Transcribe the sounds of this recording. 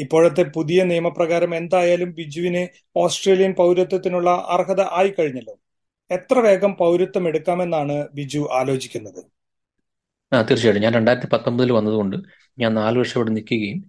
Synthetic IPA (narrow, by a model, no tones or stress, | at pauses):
ipːo̞ːɻɐt̪ːe̞puðijɐnijɐmɐprɐɣaːɾɐme̞nd̪aːjaːlumbid͡ʑuʋine | o̞ːsʈre̞ːlijɐnpɐwɾɐt̪ːɐt̪ːinuɭːɐʔɐ̰rɦɐðɐʔaːjikɐɻiɲːɐlːo | e̞t̪rɐʋe̞ːɡɐmpɐwɾɐt̪ːɐme̞ɽukːaːme̞nːaːɳɨbid͡ʑuʔaːlo̞ːd͡ʑikʲːunːɐðɨ | aːt̪irt͡ɕːiaːɽuɲaːnɾe̞ɳɖaːjɾɐt̪ːipɐt̪ːombɐðilʋɐnːɐðuɣo̞ɳɖɨ | ɲaːnnaːlʋɐrʂɐoɽenikʲːuɣɐjum